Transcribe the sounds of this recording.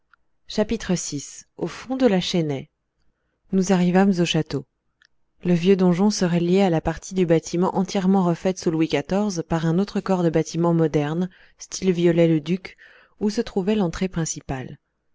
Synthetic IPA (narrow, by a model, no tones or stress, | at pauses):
ʃapit̪χəsisofɔ̃d̪əlaʃɛnɛ | nuzaʁivamzoʃat̪o | ləvjød̪ɔ̃ʒɔ̃səʁɛljealapaʁt̪ʰid̪ybat̪ʰimɑ̃ʔɑ̃t̪jɛʁmɑ̃ʁəfɛt̪sulwikat̪ɔʁzpaʁɛ̃not̪χəkɔʁd̪əbat̪imɑ̃mɔd̪ɛʁn | st̪ʰilvjɔlɛləd̪yk | usət̪χuvɛlɑ̃t̪χepχɛ̃sipal